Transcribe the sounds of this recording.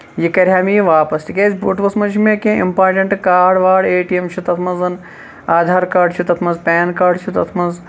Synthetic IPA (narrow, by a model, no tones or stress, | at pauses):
jikɐɾʲjaːmiʋaːpɐst̪ikʲeːsʲbuʈʋɐsmɐd͡ʒimẽkẽḭmpaːɾʈɐɳʈkaːɽʋaːɽeːʈijemt͡ʃʰit̪ɐt̪ʰmɐnzɐn | aːd̪ʱaːɾkaːɖt͡ʃʰit̪ɐt̪ʰmɐnzpʲɛːnkaːɖt͡ʃʰit̪ɐt̪ʰmɐnz